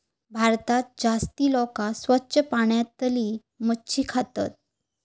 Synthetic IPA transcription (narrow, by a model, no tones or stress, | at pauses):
bʱaɾt̪at̪̚d͡zast̪iːlɔkasʋətːɕʰəpaɳjat̪əliː | məɕiːkʰat̪a̰t̪̚